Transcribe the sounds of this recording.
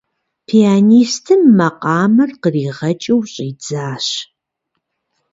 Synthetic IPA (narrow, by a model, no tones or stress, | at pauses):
pʰiaːniːstʰɨmːɐqʼɑːmɐrqəriːʁɐt͡ʃʼɐwɕʼiːd͡zaːɕ